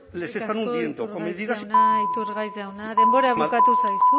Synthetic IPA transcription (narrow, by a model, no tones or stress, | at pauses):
lesest̪anund̪jent̪okomiðiðasnit̪uɾɣajzðawnaðemboɾaeβukat̪usajsu